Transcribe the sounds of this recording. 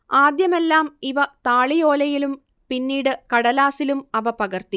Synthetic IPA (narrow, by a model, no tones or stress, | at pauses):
aːd̪jɐme̞lːaːmiʋɐt̪aːɭijo̞ːlɐjilum | pinːiːɽɨkɐɽɐlaːsilumɐʋɐpɐɣɐrt̪i